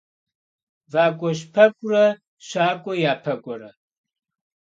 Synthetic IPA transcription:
vaːkʷʼɔɕpʰɐkʷʼrɐ | ɕʷaːkʷʼɔjaːpʰɐkʷʼɔɾɐ

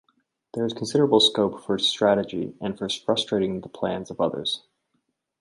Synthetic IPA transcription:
ðə˞ɨz̥kʰn̩sɪɾə˞əbl̩ˠskoʊpfə˞stɹ̥æɾɨd͡ʒḭɨ̃nfə˞fɹʌstɹ̥eɪɾɪ̃ŋðəpʰl̥æ̃nzʌvʌðə̰˞z̥

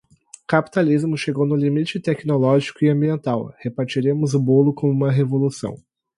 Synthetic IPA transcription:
kapi̥t̪alizmʊʃeɡownʊlimit͡ʃɪt̪ɛknolɔʒikʊɪɐ̃biẽnt̪awhepaɾt͡ʃiɾẽmʊzʊbolʊkõmũmɐɦevolusɐ̰̃w̃

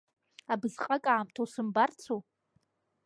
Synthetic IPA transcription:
abzqʼakʼaʕːmtʰowsɨmbart͡sʰo

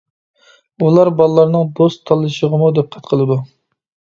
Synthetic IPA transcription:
ulˠɑɾbɑlˠlˠɑɾnɨŋd̪ost̪ʰːɑlˠːɨʃəʁəmud̪ɛp̚qʰɛt̪qʰəlˠɨd̪u

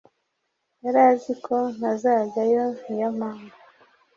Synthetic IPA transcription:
jaɾazikʰon̥azaːzajonijamaːŋɡa

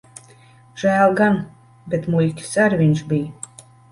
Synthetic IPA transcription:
ʒ̥æːlˠɡan | bʲet̪mulʲkʲi̥saɾvʲinʲʃbʲij

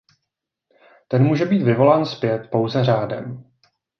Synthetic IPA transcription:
t̪ɛnmuːʒɛbiːt̪vɪvo̞laːnspjɛt̪po̞wzɛr̝aːdɛ̰m

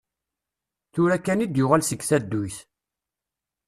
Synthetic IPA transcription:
θʊɾækːænid̪jʊʁalsəɡθæd̪ːujθ

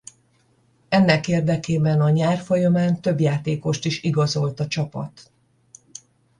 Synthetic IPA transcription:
ɛnːɛkeːrd̪ɛkeːbɛnɒɲaːrfo̞jɒmaːnt̪ø̞bjaːt̪eːko̞ʃt̪iʃiɡɒzo̞lt̪ɒt͡ʃɒpɒ̰t̪

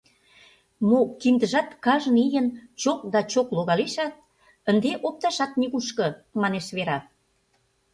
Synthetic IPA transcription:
mokimd̪əʒɑt̪kɑʒənijənt͡ɕok̚d̪ɑt͡ɕokloɣɑleʃɑt̪̚ | ənd̪eʔop̚t̪ɑʃɑt̪̚niɣuʃkɤ̆mɑneʃβeɾɑ

